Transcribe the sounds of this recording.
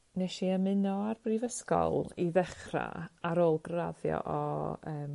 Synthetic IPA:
nɛʃiəmɪnɔarbrivəskɔlˠiðɛχra̰aɾoːlˠɡraðjɔ̰ʔɔəːm

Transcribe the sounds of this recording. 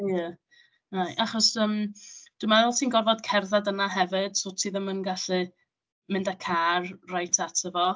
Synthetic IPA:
jə | najʔaχɔsəmd̥wuimaðɛlˠtʰiːnɡɔrvɔd̥kʰɛrðadənaɦɛvɪd̥sotʰiːðəmənɡaɬɨ | mɪndakʰarrajtʰatʰəvɔ

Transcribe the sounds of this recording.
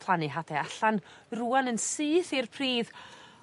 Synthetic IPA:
pʰlˠanɨɦadɛaɬanruːanənsɨːθirpʰriːð

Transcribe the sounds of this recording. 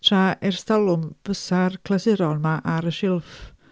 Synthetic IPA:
tʰraʔɛrstalˠʊmb̥əsarkʰlasɪɾɔlmaʔaɾəʃɪlˠf

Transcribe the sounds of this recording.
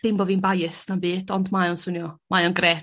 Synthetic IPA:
d̥ɪmbɔvinbajɪsnambiːdʰɔndmajɔnsʊnjɔmajɔnɡreːt

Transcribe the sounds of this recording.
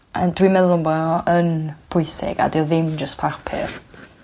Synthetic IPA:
adwimɛlˠʊŋbɔənb̥ʰʊjsɪ̰ɡ̥a̰dɪɔðɪmd͡ʒəspʰarpʰɪ̰r

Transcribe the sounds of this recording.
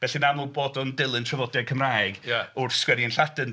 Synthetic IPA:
b̥ɛɬinamɔlˠbɔdɔndɪlˠɨntʰrəvɔdjakʰəmraːjɡaʊrskwɛɾiənɬadɨn

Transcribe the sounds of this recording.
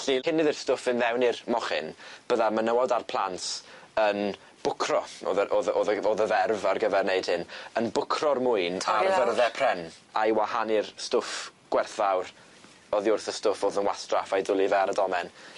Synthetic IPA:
ɬihɪnɪðɪrstʊfɪnvɛwnɪrmɔχɪ̰nb̥əðamənəwadarpʰlˠantən | b̥ʊkʰrɔo̰ðəʔoðoðəoːðəvɛrvarɡəvɛrneɨd̥hɪnənbʊkʰrɔrmʊɨnavərðɛpʰrɛn | ajwahanɪrstʊfɡ̥wɛrθvawr | ɔðiʊrθəstʊfoːðənwastrafajdʊlˠivɛaɾədɔmɛn

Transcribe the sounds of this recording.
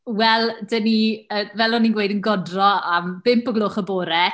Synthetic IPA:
wɛlˠdəniəvɛlˠɔninɡwejdənɡɔdrɔamb̥ɪmpʊɡlˠʊχəboːɾɛ

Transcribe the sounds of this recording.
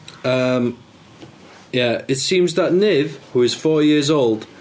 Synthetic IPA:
ʌ̃m | jæɪtsĩmzðəʔnɪv̥huɪz̥fɔːjɪəzoʊlˠd̥

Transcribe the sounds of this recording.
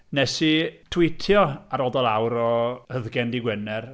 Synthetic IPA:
nɛsitʰwɪtʰjɔaɾɔdɔlˠawɾɔhəðɡɛndiɡwənɛr

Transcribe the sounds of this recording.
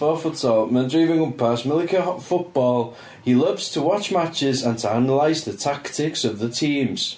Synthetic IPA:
fɔfʊtsɔmə̃ndɹiːvɪ̃ŋə̃npʰasmɪlˠɪkʰəfʊʔb̥ɔːlˠ | ilʌvz̥tʰəwɒt͡ʃmat͡ʃɪzə̃ntʰəanəlaɪzðətʰaktʰɪksəvðətʰĩːmz̥

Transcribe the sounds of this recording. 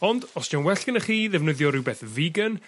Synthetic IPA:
ɔndɔsd̥anwɛɬkənəχiːðɛvnɨðjɔɾɪwbɛθvɪɡən

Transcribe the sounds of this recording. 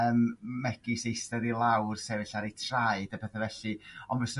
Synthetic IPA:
əmːɛɡisejstəɾilˠawrsɛvɨɬaɾejtʰraɨd̥əpʰɛθɛvɛɬɨɔnvəsə

